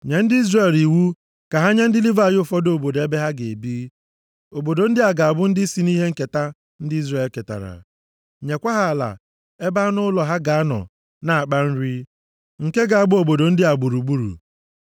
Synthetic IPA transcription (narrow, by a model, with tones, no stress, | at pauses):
ɲe˨n̩˦dɪ˦i˦zre˨li˨wu˦ | ka˨ɦa˦ɲa˦n̩˦dɪ˦li˦va˨jʊ˦fɔ˦do˨bo˨de˦be˦ɦa˦ɡe˨e˨biː˦ | o˨bo˨do˨n̩˦dɪ˦a˨ɡa˨a˨bʊ˦n̩˦dɪ˦si˨ni˦ɦe˦ŋ̩˦ke˨ta˦ | n̩˦dɪ˦i˦zre˨e˨lke˨ta̰˨ɾa̰˨ | ɲe˨kʷa˦ɦa˦a˨la̰˨ | e˦ba˦nʊ˦lɔ˨ɦa˦ɡa˨a˦nɔ̰˨ | na˨a˨k͡pa˦n̩˦ɾi˦ | ŋ̩˨ke˦ɡa˨a˨ɡ͡bʊ˦o˨bo˨do˨n̩˦dɪ˦a˨ɡ͡bu˨ɾu˨ɡ͡bu˦ɾṵ˨